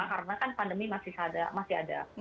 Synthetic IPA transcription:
kaɾənakanpandəmimasɪhsadamasia̰da̰

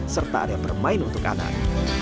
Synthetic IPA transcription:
sərt̪aadab̥ərmaɪnunt̪ʊka̰na̰k̚

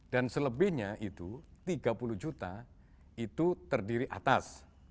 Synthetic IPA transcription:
d̥ansələbɪhɲaʔit̪ut̪iɡapuluhd͡ʒut̪a | it̪ut̪ərdiɾiʔat̪as

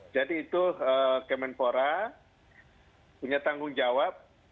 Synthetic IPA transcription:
d͡ʒadiːt̪uəkɛmɛnpoɾa | puɲat̪aŋɡʊŋd͡ʒawap̚

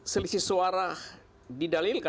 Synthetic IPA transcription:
səlisisuaɾah | didalilka

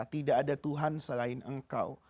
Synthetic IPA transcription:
t̪idaʔːdat̪uɦansəlaɪnəŋka̰w

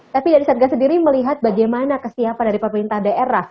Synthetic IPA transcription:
t̪apidaɾisat̪̚ɡasəndiɾiməliɦat̪̚baɡajmanakəsiapandaɾipəməɾint̪ahdaʔeɾah

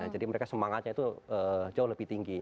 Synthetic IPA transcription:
d͡ʒadiməɾekasəmaŋat̪̚ɲait̪uəd͡ʒaʊhləbɪht̪iŋɡi

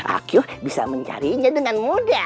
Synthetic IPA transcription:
ʔa̰kjʊhbisa̰məɲt͡ʃa̰ɾiɲadəŋanmuda

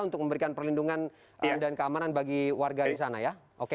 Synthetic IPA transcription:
unt̪ʊk̚məmbəɾikanpərlinduŋan | ʔədankəamananbaɡiwarɡadisanajaʔoke

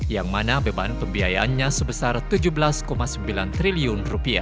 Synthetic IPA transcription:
jaŋmanabəbanpəmbiajaʔanɲasəbəsart̪ud͡ʒubəlaskomasəmbilant̪ɾiliʊnrupia̰

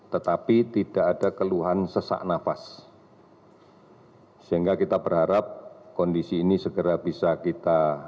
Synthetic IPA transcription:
t̪ət̪apit̪idaʔadakəluɦansəsa̰ʔnafas | səɦiŋɡakit̪abərɦaɾap̚kɔndisiːnisəɡəɾabisakit̪a

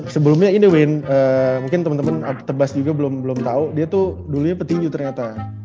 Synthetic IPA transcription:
səbəlʊmɲaindəwɪnəːmuŋkɪnt̪əmənt̪əmənət̪əbasd͡ʒuɡabəlʊmbəlʊmt̪audiat̪uduluɲapərt̪iɲd͡ʒut̪ərɲat̪a

